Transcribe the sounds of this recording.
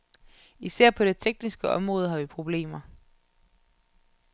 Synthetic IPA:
isæɐ̰pʰɒ̽ɾ̥e̝t͡sʰeɡ̥̚nisɡ̥əɒ̽mʁɔ̽ːð̞ˠɦɑ̈ʋipʰʁo̝b̥le̝̰ːmɐ

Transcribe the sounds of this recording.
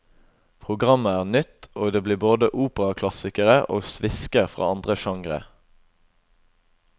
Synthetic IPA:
pʰʁʊɡʁɑməæːʁnʏt̪oːd̪eːbliːboːd̪əʔuːpəʁɑkʰlɑsɪkəʁəʔo̰ːsʋɪskəʁfʁɑ̰ːɑnd̪ʁəʃɑŋʁə̰

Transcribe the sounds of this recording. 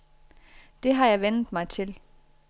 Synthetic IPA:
d̥e̝ɦɑ̈jɑ̈ɪʋenð̩ˠmɑ̈ɪt͡sʰe̝l

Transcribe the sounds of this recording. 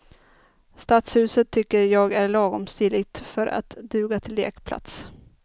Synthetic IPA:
st̪at̪shʉ̟ːsət̪ʰːʏkːəɾjɑːɡæɭɑːɡɔmst̪ilɪɡt̪fœɾʔa̰t̪d̪ʉ̟ːɡat̪ʰɪlːḛːkpʰla̰t̪s

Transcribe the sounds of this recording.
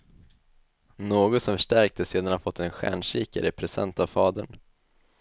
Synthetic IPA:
noːɡɔt̪sɔmfœʂʈæɾk̚t̪ʰəseːd̪anhaɾfɔt̪ːɛnɧæ̰ːɳʂiːka̰ɾəpʰɾɛsɛ̰nt̪avfɑːd̪əɳ

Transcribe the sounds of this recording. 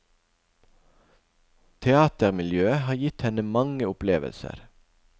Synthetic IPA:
t̪ʰɛɑːt̪əʁmɪljøːəhɑːjɪt̪hɛnəmɑŋəʊpleːʋə̰lsə̰ɾ

